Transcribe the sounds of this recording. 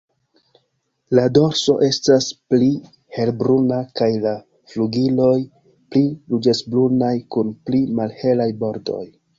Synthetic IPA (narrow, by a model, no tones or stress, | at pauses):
lado̞ɾso̞̰ʔe̞staspli | he̞lbɾunakajla | fluɡilo̞j | plilud͡ʒesblunajkunplimalhe̞lajbo̞ɾdo̞̰j